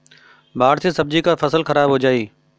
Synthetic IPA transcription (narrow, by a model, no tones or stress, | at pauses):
baːɾsesɐb̚d͡ʑikafɐsəlxɐɾaːbɦod͡ʑaːiː